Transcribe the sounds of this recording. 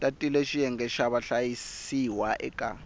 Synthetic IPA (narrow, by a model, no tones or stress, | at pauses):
tʼatʼileʃijɛŋɡɛʃaβaɬajisiwaʔɛ̰kʼa̰